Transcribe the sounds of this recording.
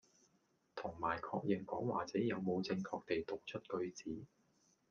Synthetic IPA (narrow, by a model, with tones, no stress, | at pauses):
t̪ʰʊ˨˩ŋmaː˨˩jkʰɔ̰ː˧k̚jɪ˨˩ŋkɔː˨˥ŋwa̰ː˨t͡sɛː˨˥jɐ˨˧wmo˨˧wt͡sɪ˧ŋkʰɔː˧k̚t̪e˨jt̪ʊ˨k̚t͡ʃʰɵ˥t̚kɵ˧ɥt͡siː˨˥